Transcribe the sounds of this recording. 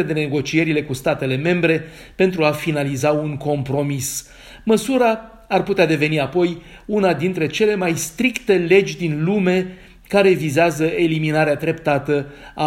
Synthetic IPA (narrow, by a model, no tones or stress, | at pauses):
ed̪e̞ne̞ɡo̞t͡ʃie̞ɾile̞kust̪at̪e̞le̞me̞mbɾe̞ | pe̞nt̪ɾuafinalizauŋko̞mpɾo̞mis | məsuɾa | arput̪ead̪e̞ve̞niapo̞j | unad̪int̪ɾe̞t͡ʃe̞le̞majst̪ɾikt̪e̞le̞d͡ʒʲd̪inlume̞ | kaɾe̞vizeazəe̞liminaɾeat̪ɾe̞pt̪at̪əa